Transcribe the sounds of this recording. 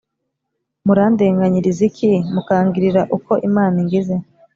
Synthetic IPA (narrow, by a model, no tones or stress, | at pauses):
muɾaːndeːŋɡaɲiɾizikʰimukaːŋɡiɾiɾaʔuko̞ʔimaːniŋɡize